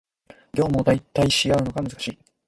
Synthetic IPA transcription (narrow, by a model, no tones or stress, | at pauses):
ɡʲo̞ːmod̪ait̪ːaiɕijaɯ̟no̞ɡamɯzɨkḁɕiː